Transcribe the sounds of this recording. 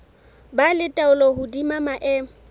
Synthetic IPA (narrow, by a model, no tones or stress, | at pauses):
balɪtʼaʊlɔɦʊdimamaʔɛː